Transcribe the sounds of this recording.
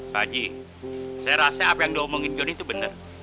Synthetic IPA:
ba̰d͡ʒi | sajaɾasaapajaŋdiɔmoŋɪnd͡ʒɔnit̪ubənər

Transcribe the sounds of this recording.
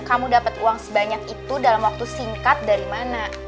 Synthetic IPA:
kamudapət̪uaŋsəbaɲakit̪udalamwak̚t̪usiŋkat̪̚daɾimana

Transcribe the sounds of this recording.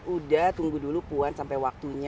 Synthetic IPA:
udaht̪uŋɡudulupuansampajwak̚t̪uɲ

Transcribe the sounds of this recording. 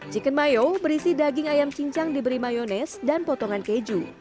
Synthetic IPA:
d͡ʒikənmajobəɾisidaɡɪŋajamt͡ʃiɲt͡ʃaŋdibəɾimajonɛsdanpɔt̪ɔŋanked͡ʒu

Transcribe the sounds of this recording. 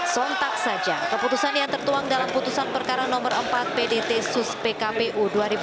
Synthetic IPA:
sɔnt̪ak̚sad͡ʒakəput̪usanjaŋt̪ərt̪uaŋdalamput̪usanpərkaɾanɔmərəmpat̪̚pedet̪esuspekapeʔuduaɾib

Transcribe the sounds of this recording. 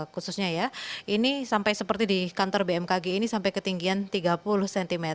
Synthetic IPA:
kususɲajainisampajsəpərt̪idikant̪ɔrbeɛmkaɡeinisampajkət̪iŋɡiant̪iɡapulʊhsɛnt̪ime

